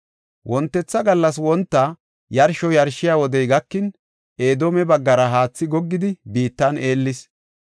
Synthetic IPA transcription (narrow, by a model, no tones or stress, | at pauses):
wʔɔnt̪ːɛt͡sːɐɡɐlːɐs̬wɔnt̪ːɐ | jɐɾʃɔjɐɾʃɪjaːwɔd̪ɛjɡɐkːɪn | e̞ːd̪omɛbɐɡːɐɾɐɦaːt͡sːɪɡɔɡːɪd̪ɪbiːt̪ːane̞ːlːɪs